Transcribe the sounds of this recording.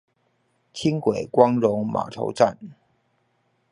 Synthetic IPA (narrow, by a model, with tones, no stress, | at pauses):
t͡ɕʰi˥ŋkwe˨˩ɪkwɑ˥ŋɻʊ˧˥ŋma̰˨˩ʈ͡ʂʰo̰˧˥ʊʈ͡ʂa˥˩n